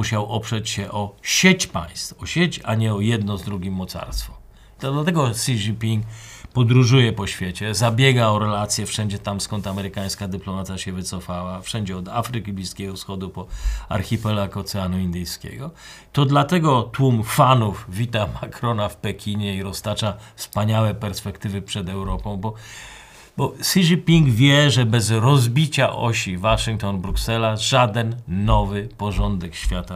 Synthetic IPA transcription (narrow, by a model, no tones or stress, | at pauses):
uɕawʔɔpʂɛt͡ɕɕɛʔɔɕet͡ɕpa̰j̃st̪ɔɕet͡ɕa̰ɲɛɔjɛd̪nɔzd̪ɾuɡʲimːɔt̪sa̰ɾst̪fɔ | d̪lat̪ɛɡɔsʲid͡ʑipʲiŋkpɔd̪ɾuʐujɛpɔɕfʲjet͡ɕɛzabʲjɛɡaɔɾɛlat̪sʲjɛfʂɛɲd͡ʑɛt̪amskɔnt̪amɛɾɘkaj̃skad̪ɘplɔmat̪ʲjaɕɛvɘt̪sɔfawafʂɛɲd͡ʑɛɔd̪afɾɘkʲiblʲiskʲɛɡɔfsxɔd̪upɔa̰ɾxʲipɛlakɔt̪sɛanuind̪ɨjskʲḛɡɔ | t̪ɔd̪lat̪ɛɡɔt̪wumfanufvʲit̪amakɾɔnafpɛkʲʰiɲɛiɾɔst̪at͡ʂafspaɲawɛpɛɾspɛkt̪ɘvɘpʂɛd̪ɛwɾɔpɔ̃w̃bɔ | bɔsiʐipʲiŋɡvʲjɛʐɛbɛzɾɔzbʲit͡ɕaʔɔ̰ɕivaʂɨŋk̚t̪ɔnbɾuksɛlaʐad̪ɛnːɔvɘpɔʐɔnd̪ɛkɕfʲjat̪a